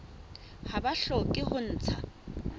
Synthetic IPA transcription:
habaɬɔkʼɪhʊn̩ːt͡sʰa̰

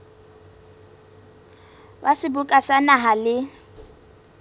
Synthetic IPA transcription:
basɪbʊkʼasanaɦalɪ

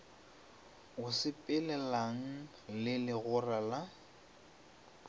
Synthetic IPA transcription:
ɣʊsɪpʼɪlɛlaŋ̩ | lɪlɪɣʊrala

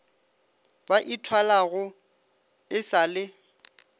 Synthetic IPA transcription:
baʔitʰwalaɣʊ | ɪsalɪ

